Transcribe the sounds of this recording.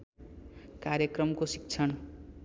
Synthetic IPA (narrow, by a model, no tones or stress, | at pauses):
kaɾjʌkrʌmkosi̥k̚t͡sʰʌɽ̃